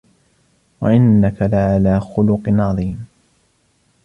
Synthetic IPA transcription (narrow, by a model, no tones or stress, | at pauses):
waʔɪnːakalaʕalaːxʊlʊqnʕɑðˤiːm